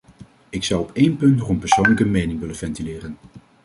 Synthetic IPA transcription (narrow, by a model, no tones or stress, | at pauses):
ɪksʌwɔpejnpɵntnɔχɔmpəɹsownləkəmejnɪŋʋɪlənvɛntilɪːrən